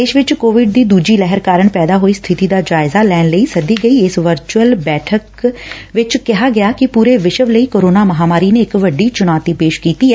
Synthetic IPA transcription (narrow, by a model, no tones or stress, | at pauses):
d̪eːʃʋɪt͡ʃkoːʋɪɖ̚d̪iːd̪uːd͡ʒiːlɛɦəɾkaːɾəɳpɛːd̪aːɦoːist̪ʰɪt̪iːd̪aːd͡ʒaːɪzaːlɛːnləisəd̪iːɡəiːɪsʋəɾt͡ʃuəlbɛːʈʰək | ʋɪt͡ʃkɪɦaːɡɪjaːkɪpuːɾeːʋɪʃəʋləiːkoːɾoːnaːməɦaːmaːɾiːneɪkʋəɖːiːt͡ʃʊnaːt̪iːpeːʃkiːt̪iːɦɛː